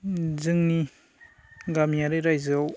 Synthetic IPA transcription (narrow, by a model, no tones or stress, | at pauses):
zɯŋni | ɡamijaɾɯɾajzɯw